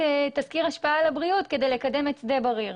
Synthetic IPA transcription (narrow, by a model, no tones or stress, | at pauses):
et̪azkiʁaʃpaalabʁiut̪kedejlekad̪e̞met͡sd̪ebaʁiʁ